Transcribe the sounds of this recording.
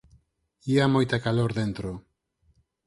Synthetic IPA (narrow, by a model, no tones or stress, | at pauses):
iamojt̪akaloɾðent̪ɾo